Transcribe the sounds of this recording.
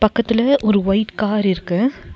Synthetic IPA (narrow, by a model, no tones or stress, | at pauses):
pɐkːɐt̪ːɪlɐʔɔɾɯʋɐɪʈkaːɾɪɾɯkːɯ